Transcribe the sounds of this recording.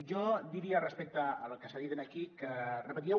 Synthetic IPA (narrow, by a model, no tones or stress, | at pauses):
ʒɔd̪iɾiarəspɛk̚t̪əːlkəsaðiðenakikərəpət̪iɛ